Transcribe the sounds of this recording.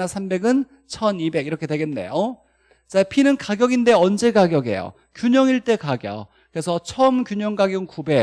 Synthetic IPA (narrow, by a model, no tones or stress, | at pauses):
nasʰambe̞ɡɯn | t͡ɕʰʌnibe̞ɡiɾʌkʰe̞dwe̞ɡe̞nːe̞̰jo | t͡ɕapʰinɯnkaɡjʌɡinde̞ʌnd͡ʑe̞kaɡjʌɡe̞̰jo̰ | kjuɲʌŋiɭt͈e̞kaɡjʌ̰ | kɯɾesʰʌt͡ɕʰʌɯmkjuɲʌŋɡaɡjʌŋkube̞